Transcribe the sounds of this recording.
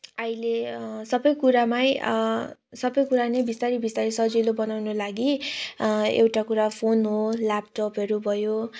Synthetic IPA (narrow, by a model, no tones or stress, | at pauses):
ailesʌbʌjkuɾamaj | sʌbʌjkuɾanebist̪aɾibist̪aɾisʌd͡zilobʌnawnolaɡi | ḛwʈakuɾapʰonɦolap̚ʈopʌɾubʱʌjo